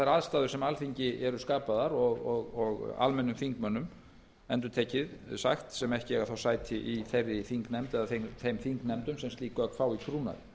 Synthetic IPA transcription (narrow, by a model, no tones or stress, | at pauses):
θajɾaðst̪aːðʏɾ̥sɛmalfiɲcɪʔɛɾʏskaːpaðaɾɔɣɔɣɔɣa̰lmɛnːʏmfiŋkmœnːʏm | ɛnt̪ʏɾt̪ʰɛːcɪðsa̰xt̪sɛmɛhcɪɛɣaθawsaːjt̪ʰɪʔiθejrːɪfiŋknɛmt̪ɛðaθeθejmfiŋknɛmt̪ʏmsɛmst̪liːkœkʰfawikʰɾuːna̰ɾ